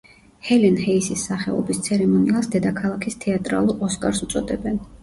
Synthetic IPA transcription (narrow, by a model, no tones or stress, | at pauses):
hɛlinhɛisisːaχɛɔ̰bist̪sʰɛɾɛmɔniasd̪ɛd̪akʰalˠakʰist̪ʰɛat̪ʼɾa̰lˠuɾɔskʼaɾsut̪sʼɔd̪ɛbɛn